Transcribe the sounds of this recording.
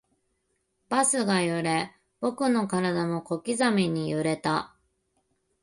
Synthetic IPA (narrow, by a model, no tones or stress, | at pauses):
b̥asɨɡajɯɾe̞ | b̥o̞kɯ̟no̞kaɾad̪amo̞ko̞kʲizamʲiɲ̟ijɯɾe̞t̪a